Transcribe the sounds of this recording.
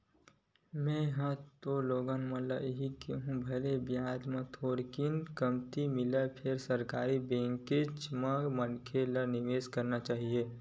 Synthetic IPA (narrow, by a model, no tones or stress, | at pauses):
mɛ̃jɦãt̪oloːɡanmələɦikiɦũbʱɐlebjaːd͡ʒmãt̪ʰoːɾkɪnkəmt̪imɪlapʰɪɾsəɾkaːɾibẽːŋkɪt͡ʃmãmənkʰelənɪʋeːskəɾnat͡ʃaːɦieː